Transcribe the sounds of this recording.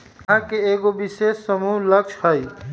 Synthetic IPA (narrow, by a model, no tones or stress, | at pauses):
ãkeeːɡobiseːssɐmuːlɐkʃhai